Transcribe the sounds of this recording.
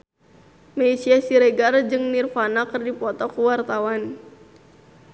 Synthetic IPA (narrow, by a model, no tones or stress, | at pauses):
mɛisiasiɾɛɡard͡ʒɨŋnirfanakərdipɔt̪ɔkuwart̪awan